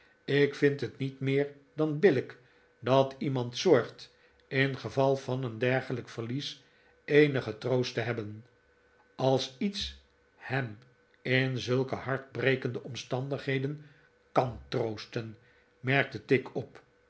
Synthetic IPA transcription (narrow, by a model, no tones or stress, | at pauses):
ɪkfɪntɦətnitmɪːɹ | dɑnbɪlək | dɑtimɑntsɔɹχt | ɪnχəvɑlˠvɑnəndɛɹχələkfəɹlis | ejnəχətrowstəɦɛbən | ɑlˠsits | hɛm | ɪnzɵlˠkəhɑɹd̚brejkəndəɔmstɑndəχɦejdən | kɑntrowstən | mɛɹk̚tətɪkʰɔp